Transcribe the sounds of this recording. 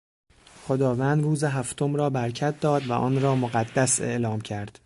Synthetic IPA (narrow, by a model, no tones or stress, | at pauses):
χod̪ɒːvænd̪ruːzeɦæft̪ʰomɾɒːbæɾcʰæt̪̚d̪ɒːd̪væ̰ʔɒ̰ːnɾɒːmoɣæd̪ːæse̞̰ʔlɒːmcʰæɾd̪̥